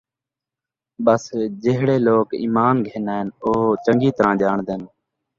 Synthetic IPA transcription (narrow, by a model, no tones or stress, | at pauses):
ɓəsd͡ʒɪɦɽeːloːkḭːmaːnɡʱeːnaːɪnoːt͡ʃəŋɡiːt̪əɾãːʄaːɳd̪en